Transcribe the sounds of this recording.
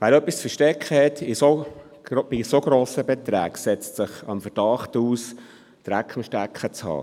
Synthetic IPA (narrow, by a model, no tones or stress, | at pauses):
ʋæːɾœpːist͡sfəɾʃtɛkχəhɛt̪ɪso | b̥isoɡ̥ɾoːsəbɛt̪ɾæ̰ːksɛt͡stsəχɑmfəɾd̥ɑχtuːs | d̥ɾækχɪmʃtækχət͡shɑ̰ː